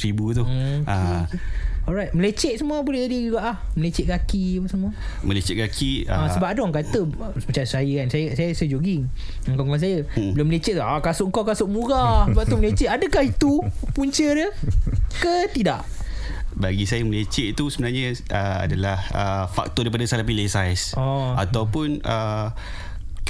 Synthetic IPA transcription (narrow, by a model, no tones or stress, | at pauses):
t̪ɾibut̪ua | ɔlɾajt̪̚məlet͡ʃɛʔ̚səmuəbolɛhd͡ʒadid͡ʒuɡaʔlahməlet͡ʃɛʔ̚ɡakiapəsəmuə | məlet͡ʃɛʔ̚ɡakʰiaãsəbap̚adawaŋkat̪ə | səmət͡ʃajsajəkansajəsajəsajəd͡ʒoɡɪŋ | ŋkaŋkans̬ajəəloməlet͡ʃɛʔʔakasʊʔəŋkawkasʊʔ̚muɾasəbap̚t̪uməlet͡ʃɛʔadəkahit̪upuɲt͡ʃərəkət̪idaʔ | baɡisajəməlet͡ʃɛʔt̪usəbənarɲaʔəa̰dalahəfa̰k̚t̪ɔdaip̬adasalapilesajsɔa̰t̪awpʊnə